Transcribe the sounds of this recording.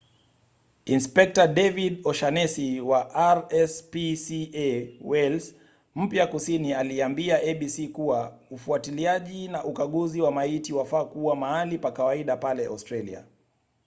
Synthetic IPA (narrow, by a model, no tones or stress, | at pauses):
inspɛk̚taɗɛviɗɔʃanɛsiwaʔaɾɛspisiɛwɛls | m̩pjakusinialiambiaɛɓisikuwaufuatiliaʄinaʔukaɠuziwamaitiwafaːkuwamaalipakawaiɗapalɛa̰wstɾalḭa̰